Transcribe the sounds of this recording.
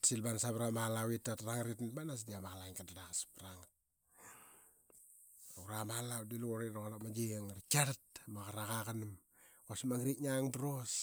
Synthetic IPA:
silbanasabɾamalawitːatɾaŋaɾitnbanas̬diamaɣalaiŋkadaɾakaspɾaŋat̚ | uɾamalawdiluoɾiɾokɾamad͡ʒeŋaɾkaɾtmakaɾakakanm | kosmaŋɾiɲaŋdɾos

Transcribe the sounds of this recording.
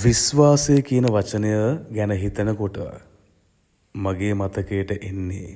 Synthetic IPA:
ʋisʋaːsejəkijənəʋat͡ʃənəjəɡænəɦit̪ənəkoʈə̰ | maɡeːmat̪ɐkejəʈəʔenːḛ

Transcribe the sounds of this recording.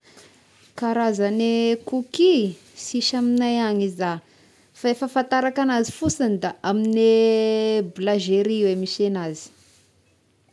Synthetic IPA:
kaɾazanekuki | siʃaminajaɲiza | faefəfant̪aɾakanazifusand̪aamine | blaʒeɾiiwemiʃenazi̥

